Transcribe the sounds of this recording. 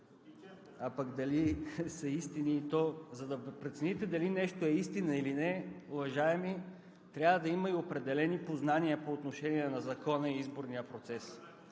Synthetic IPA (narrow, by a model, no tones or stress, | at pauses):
apakd̪ɐlisɐist̪iniːt̪ɔzɐd̪ɐpɾɛt̪sɛnit̪ɛd̪ɐlinɛʃt̪oɛist̪inəilinɛʊvɐʒaɛmi | t̪ɾʲavəd̪ɐiməiopɾɛd̪ɛlɛnipoznaniəpoːt̪noʃɛniɛnɐzɐkɔnəiizboɾnijəpɾot̪sɛs